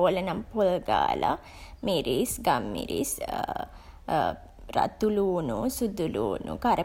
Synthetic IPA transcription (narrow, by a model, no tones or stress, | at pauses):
olənampolɡa̰ːla̰ | miɾisɡamːḭɾis | ɾa̰t̪uluːnusud̪ʱːuluːnṵkaɾə